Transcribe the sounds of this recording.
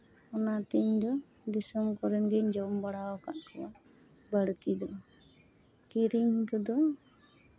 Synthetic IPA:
ɔnat̪iɲd̪ɔ | d̪isɔmkɔɾɛnɡɛɲd͡ʒɔmbaɽawɔka̰ʔkʰəwa | bəɽt̪id̪ɔ | kiɾiɲkəd̪ɔ

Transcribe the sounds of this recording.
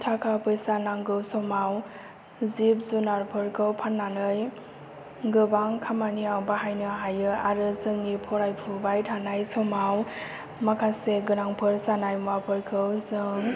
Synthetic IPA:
tʰakʰapɯjsanaŋɡɯwsɔmaw | zip̚zunaɾpʰɯɾkʰɯwpʰanːanɯj | ɡɯbaŋkʰamaniawbaɦajnɯɦajɯaɾɯzɯŋːipʰɔɾajpʰubajtʰanajsɔmaw | makʰaseɡɯnaŋpʰɯɾsanajmapʰɯɾkʰɯwzɯŋ

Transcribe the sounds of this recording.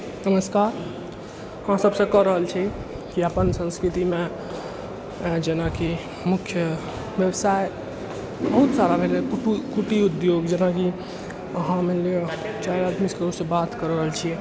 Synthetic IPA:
nəməskaɾ | hãsəbsə̃kəɾəɦəlt͡ʃʰi | kiəpənsə̃nskɾit̪ime | d͡ʒenaki | mukʰjə | ʋjəwsae | bəɦut̪saɾabʱelekukuʈiud̪joɡd͡ʒenaki | əɦãmeliot͡ʃajɾad̪miskəɾusə̃bat̪kəɾəɦəlt͡ʃʰi

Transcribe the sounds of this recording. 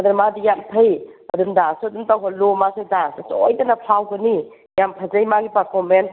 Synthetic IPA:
ɐdɐɾmadijamtʰəjɐdumdasuɐdumtawɦɔlomasadasasɔjdɐnapʰawɡəni | jampʰazajmaɡipaɾpʰɔmen

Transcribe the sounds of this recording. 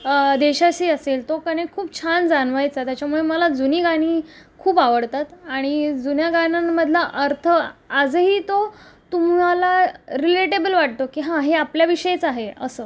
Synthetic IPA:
d̪eɕaɕiːəselt̪okəɽ̃ekʰuːp̚t͡ɕʰand͡zanʋajt͡sat̪jat͡ɕjamuɭeməlad͡zuniːɡaɽ̃iːkʰuːpaʋəɽt̪at̪aɽ̃id͡zunjaɡanaːəd̪ʱlaʔəɾt̪ʰəad͡zɦiːt̪ot̪umalaɾileʈebəlʋaʈ̚t̪okiːɦãɦeapljaʋiɕəjet͡saɦeəsəː

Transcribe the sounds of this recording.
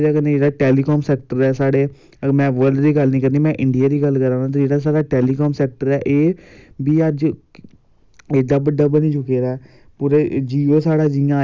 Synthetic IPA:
eaːkənẽd͡ʒeːɽaːʈɛːliːkɔːmsɛːk̚ʈəɾɛːsaːɽeː | mɛ̃ːʋəɾɖd̪iːɡəlnĩːkəɾniːmɛ̃ːʔɪ̃ɳɖɪjaːd̪iːɡəlkəɾãːaːt̪̬ːd͡ʒeːɽaːs̬aːɽaːʈɛːliːkɔːmsɛːk̚ʈəɾɛːʔeːbiːəd͡ʒ | ed̪aːbəɖːaːbəniːt͡ʃʊkeːɾɛː | puːɾeːd͡ʒiːoːsaːɽaːd͡ʒɪjãː

